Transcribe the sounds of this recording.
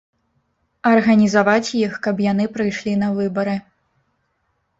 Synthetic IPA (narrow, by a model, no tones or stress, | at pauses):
ɐrɣɐnʲizavat͡sʲjixkɐbjan̪ɨpɾɨjʂlʲin̪ɐvɨbɐɾɨ